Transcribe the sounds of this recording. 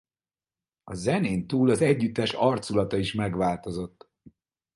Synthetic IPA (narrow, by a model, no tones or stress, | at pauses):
ɒzɛneːnt̪uːlɒzɛɟːyt̪ːɛʃɒrt̪sulɒt̪ɒiʃmɛɡʋaːlt̪o̞zo̞t̪ː